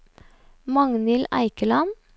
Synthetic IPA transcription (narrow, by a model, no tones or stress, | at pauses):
mɑŋnɪlæ̰ɪkəlɑn